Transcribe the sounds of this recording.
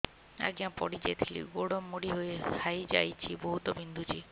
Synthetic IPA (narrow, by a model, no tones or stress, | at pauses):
a̰ɡiãpɔ̰ɽid͡ʒajt̪ʰilḭɡoɽɔmːoɽiɦojesajd͡ʒa̰jt͡ʃʰibɔɦut̪ɔbind̪ʱut͡ʃʰi